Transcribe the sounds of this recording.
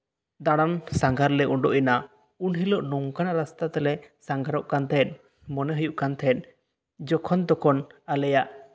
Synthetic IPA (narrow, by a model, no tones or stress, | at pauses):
d̪aɽ̃amsaŋɡaɾlɛɔɳɖɔʔina | unɦilɔʔnɔŋkanaɾast̪at̪ɛlɛsaŋɡaɾɔʔkant̪ʰɛt̪̚ˀ | mɔnɛɦəjuʔkant̪ʰɛt̪̚ˀ | d͡ʒɔkʰɔnd̪ɔkʰɔnalɛjaʔ